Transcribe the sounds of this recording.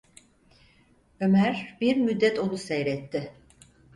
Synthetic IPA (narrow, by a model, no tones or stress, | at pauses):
ømæɾbiɾmyd̪ːɛt̪ʰo̞nusɛjɾɛt̪ʰːɪ